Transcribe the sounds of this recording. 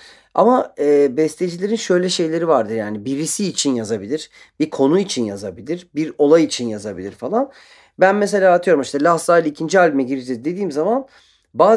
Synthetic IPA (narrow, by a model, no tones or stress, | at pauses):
a̰maɛːbɛst̪ʲed͡ʒilʲe̞ɾinʃø̞jlʲɛʃe̞jlʲe̞ɾivaɾd̪ɯɾjaːnibiɾisiːt͡ʃʰinjazabilʲiɾ̥ | bikʰo̞nuit͡ʃʰinjazabilʲiɾbiɾo̞lˠajit͡ʃʰinjazabilʲiɾfalˠan | bænmes̬e̞lʲaːt̪ʰɯjo̞ɾumiʃt̪ʰɛlasaːlʲiicʰind͡ʒialʲimɛɟiɾid͡ʒɛzd̪e̞d̪iːmzaman | baː